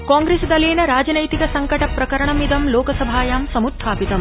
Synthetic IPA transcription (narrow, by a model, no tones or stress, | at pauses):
kãːŋɡɾeːsd̪ɐleːnɐɾaːd͡ʒɐnɐjt̪ikɐsɐŋkɐʈɐpɾɐkɐɾɐɳɐmid̪ɐmloːkɐsɐbʱaːjaːmsɐmut̪ʰːaːpit̪ɐm